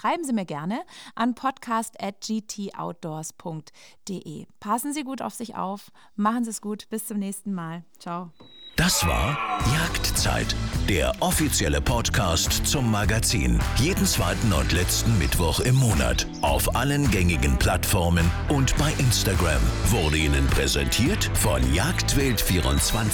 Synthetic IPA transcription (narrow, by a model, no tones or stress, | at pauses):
ʃʁ̥aɪbm̩ziːmiːɐɡɛɐnəʔanpʰɔtkʰaːstʔɛt̚d͡ʒiːtʰiːʔa̰ʊt̚d̥oːɐspʰʊŋk̚t | d̥eʔeːpʰasn̩ziːɡuːta̰ʊfz̥ɪçʔa̰ʊf | maχn̩ziːsɡ̥uːtb̥ɪst͡sʊmnɛːçstn̩maːlt͡ʃaʊd̥asv̥a̰ːɐjaːktt͡sa̰ɪtd̥eːɐʔɔfit͡sjɛləpʰɔtkʰaːstt͡sʊmːaɡat͡sḭːnjeːdn̩t͡sv̥aɪtn̩ʊ̰ntʰlɛt͡stn̩mɪtv̥ɔχɪmːoːna̰t | ʔaʊfʔalənɡɛŋɪɡn̩pʰl̥atfɔɐmənʔʊntb̥aɪʔɪnstaɡʁa̰mvʊɐdəiːnənpʁ̥ɛzɛ̰ntʰiːɐtfɔ̰njaːktv̥ɪltfiːʁʊ̰nt͡sv̥an